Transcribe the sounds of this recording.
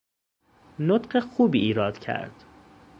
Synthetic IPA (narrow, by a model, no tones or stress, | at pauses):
not̪ɢexuːbiːʔiːɾɒːd̪̥cʰæ̰ɾd̪̥